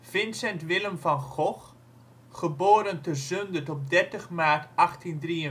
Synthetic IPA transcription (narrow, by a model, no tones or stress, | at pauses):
v̥ɪnsɛntʋɪləmvɑnχɔχ | χəboːɾəntəzøndətɔp̚dɛɹtəχmaːtɑχtindriə